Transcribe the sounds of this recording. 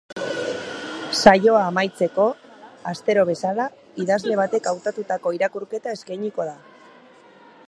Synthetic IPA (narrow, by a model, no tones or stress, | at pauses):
sajo̞aːmajt͡se̞ko̞ast̪e̞ɾo̞β̞e̞sala | iðazle̞β̞at̪e̞kawt̪at̪ut̪ako̞iɾakuɾke̞t̪ae̞skajɲiko̞ða